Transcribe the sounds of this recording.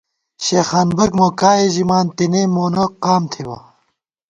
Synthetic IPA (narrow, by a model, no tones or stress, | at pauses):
ɕexaːnbɐɡmokaːeʑimaːnt̪inemoːnɐqaːmt̪ʰiwɐ̰